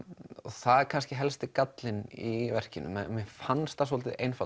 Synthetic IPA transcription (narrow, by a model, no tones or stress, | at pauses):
ɔθaðɛkʰanscɪɦɛlst̪ɪkat̪lɪnivɛr̥cɪnːʏ̰mɪfanst̪asɔːlt̪ɪʔejnfa